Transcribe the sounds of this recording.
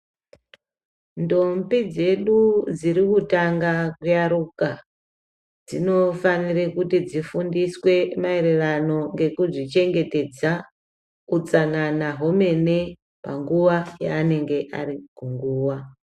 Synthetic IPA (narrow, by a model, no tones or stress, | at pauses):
ndombid͡ze̞ɗud͡ziɾikutaŋɡakujaɾuka | d͡zino̞fanirekutid͡zifundiswe̞maeɾerano̞ŋɡe̞kuʐit͡ʃe̞ŋɡe̞te̞d͡za | ut͡sananaɦo̞me̞ne̞ | pa̰ŋɡuʋajaːne̞ŋɡe̞ʔa̰ɾikuŋɡuːwa